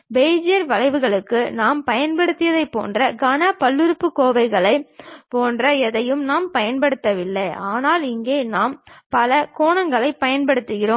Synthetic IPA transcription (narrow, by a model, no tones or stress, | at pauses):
bɛːd͡ʒɪjɐɾʋɐlɐɪʋɯɣɐɭɯkːɯnaːmpɐjɐnpɐɽɯt̪ːɪjɐðɐɪpːo̰ːndrɐɡɐnɐpɐlːɯɾɯpːɯkoːʋɐɪɣɐɭɐɪpoːndrɐɛðɐjɯmnaːmpɐjɐnpɐɽɯt̪ːɐʋɪlːɐɪaːnaːlɪŋɡeːnaːmpɐlɐkoːɳɐŋɡɐɭɐɪpːɐjɐnpɐɽɯt̪ːɯɣɪroːm